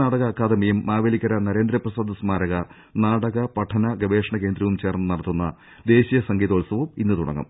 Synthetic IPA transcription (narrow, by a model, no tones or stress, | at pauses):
aːɽɐɣɐkːaːd̪ɐmijɐmːaːʋelikːɐɾɐnɐɾe̞ːnd̪ɾɐprɐsaːd̪ɐsmaːɾɐɣɐ | naːɽɐɣɐpɐʈʰːɐnɐɡɐʋe̞ːʂɐɳɐke̞ːnd̪ɾɐʋumt͡ɕe̞ːrnːɨnɐɽɐt̪ːunːɐ̰ | d̪e̞ːɕijɐsɐŋɡiːd̪oːlsɐʋumḭnːɨt̪uɽɐ̰ŋːɐ̰m